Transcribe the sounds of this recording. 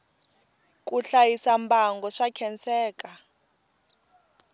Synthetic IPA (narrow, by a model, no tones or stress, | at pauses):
k̬ʼuɬajisambaŋɡɔʂakʰɛnt͡sɛːkʼa